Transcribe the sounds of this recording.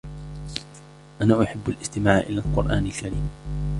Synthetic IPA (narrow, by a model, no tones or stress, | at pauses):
ʔanaːʔʊħɪbːalʔɪst̪ɪmaːʕʔɪlaːlqʊɾʔaːnalkaɾiːm